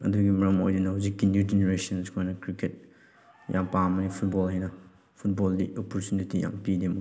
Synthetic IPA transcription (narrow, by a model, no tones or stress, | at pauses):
ɐ̰duɡimɐɾɐmo̰jdinɐɦuzikːinjud͡ʒeneɾesɐniskʰojnɐkɾiket̚ | jʔa̰mpamɐnipʰut̚bɔlɦajnɐ | pʰut̚bɔldiɔpɔɾtunitija̰mpidimɐ